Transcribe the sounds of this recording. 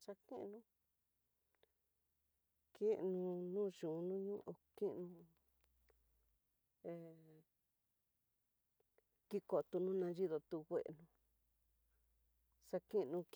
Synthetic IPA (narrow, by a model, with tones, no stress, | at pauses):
ʃa˧kḭ̃˦ʔnũ˧˦ | kĩ˦nũ˧nũː˦˨ʒũ˨nũ˦ɲũ˦ʔo˧ki˦ʔnũ˧ | e˧˨ | ki˦ko˨˧t̪u˧nũ˦nã˧ʒi˦ðo˧t̪u˧wʷḛ˧ʔnũ˧ | sa˧kĩ˦˧nũ˧k